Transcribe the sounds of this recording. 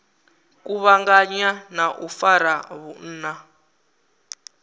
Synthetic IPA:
kuβaŋɡaɲanaʔufaɾaβun̩ːna

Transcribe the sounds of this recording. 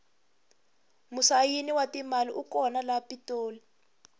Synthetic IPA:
musajiniwatimaliʔukɔnalapitoːli

